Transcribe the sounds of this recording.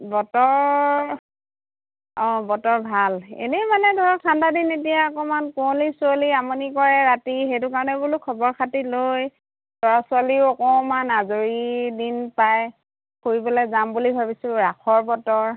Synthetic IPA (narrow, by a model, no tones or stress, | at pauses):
bɔtɔɹ | ɔ̃bɔtɔɹbʱalḛnɛmanɛdʱɔɹɔkʰandadinet̬ijaɔkɔmankɔlisualiamɔnikɔɹɛɹatixejt̬ukaɹɔnɛbulukʰɔbɔɹkʰatiloj | dɔɹasʊaliɔkɔmanazoɹidinpaj | koɹibɔlɔjzambulibʱabisʊɹakʰɔɹbɔtɔɹ